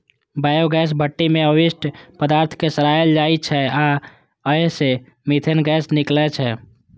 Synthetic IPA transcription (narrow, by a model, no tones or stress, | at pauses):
bajoɡɛs̬bʱəʈːimeəwisʈpəd̪aɾt̪ʰkesəɾaeld͡ʒajt͡ʃʰɛa | əɦse | mit̪ʰenɡɛsniklɛt͡ʃʰɛ